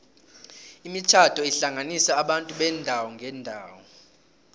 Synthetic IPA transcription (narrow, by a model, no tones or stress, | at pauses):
imit͡ʃʰatʰɔiɬaŋʱanisaːɓantʼuɓɛndʱawɔŋɡʱɛːndʱaːwɔ